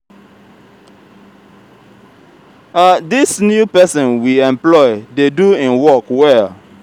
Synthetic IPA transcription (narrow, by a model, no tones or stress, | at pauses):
adisnjupɛsɔ̃nwiɛ̃mplɔɪdeduĩnwɔkwɛl